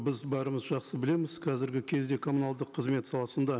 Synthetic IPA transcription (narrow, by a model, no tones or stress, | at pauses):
bɪzbɑɾəməzʒɑqsəbɪle̞mɪzqʰɑzɪɾɡʲɪkʲʰe̞zd̪e̞kʰomunɑlˠd̪əqʰːəzme̞t̪sɑlˠɑsənd̪ɑ